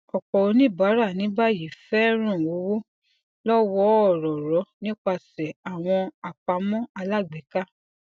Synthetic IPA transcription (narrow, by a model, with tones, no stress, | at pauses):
ɔ˨k͡pɔ˨o˧nĩ˦˨ba˨˦ɾa˦˨nĩ˨˦ba˦˨ji˨fɛ˦ɾ̃ã˦˨wo˨˦wo˦ | lɔ˦wɔ˧˦ɔ˦˨ɾɔ˨ɾɔ˨˦nĩ˦k͡pa˧˨sɛ˨a˨w̃ɔ̃˧a˨k͡pa˧˦mɔ̃˦a˧la˦˨ɡ͡bɛ˨˦ka˦